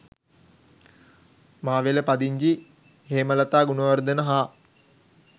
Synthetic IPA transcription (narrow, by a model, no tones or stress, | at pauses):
maːʋeləpad̪iɲd͡ʒi | ɦeːməlat̪aːɡunəʋərd̪ənəɦa